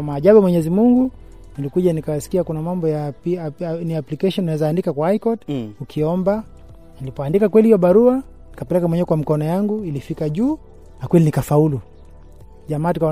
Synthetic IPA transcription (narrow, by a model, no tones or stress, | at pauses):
maːʄaɓumwɛɲɛzimuŋɡu | nilikuʄanikawasi̥kiakunamambɔja | niaplikaʃɔninawɛzaːndikakwaaikɔtukʰiɔmba | nilipɔandikakwɛlihijɔɓaɾua | nikapɛlɛkamwɛɲɛɛkwamikɔnɔjaŋɡuilifikaʄuː | nakwɛlinikafaulu | ʄamaːtuka